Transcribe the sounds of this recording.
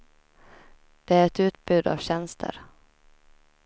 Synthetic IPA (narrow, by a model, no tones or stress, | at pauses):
d̪̥ɛæɾɛt̪ʉ̟ːt̪bʉ̟ːd̪a̰vɕɛnst̪ʰə̰ɾ